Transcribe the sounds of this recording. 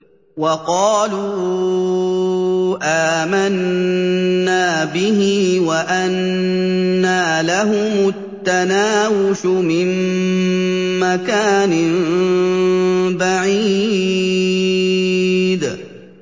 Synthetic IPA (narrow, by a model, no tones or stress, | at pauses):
wɑqɑːluː | ʔaːmanː | aːbɪɦɪwaʔanː | aːlaɦʊmʊt̪ːanaːwʊʃʊmɪm | makaːnɪ | baʕiː | d̪